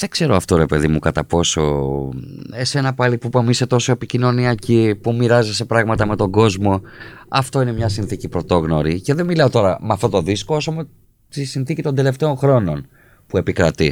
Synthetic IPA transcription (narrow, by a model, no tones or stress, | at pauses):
ðe̞ɡze̞ɾo̞ɐft̪o̞ɾe̞pe̞ðimukɐt̪ɐpo̞so̞̰ | ese̞nɐpɐlipupɐmise̞t̪o̞so̞e̞picino̞niɐcipumiɾɐzise̞pɾɐɣmɐt̪ɐme̞t̪o̞ɡo̞zmo̞ɐft̪o̞ine̞mɲɐsinθicipɾo̞t̪o̞ɣno̞ɾice̞ðe̞nmilɐo̞t̪o̞ɾɐmeɐft̪ot̪o̞ðisko̞osome | t̪isinθicit̪o̞nd̪e̞le̞ft̪e̞o̞ŋxɾo̞no̞n | pue̞pikɾɐt̪i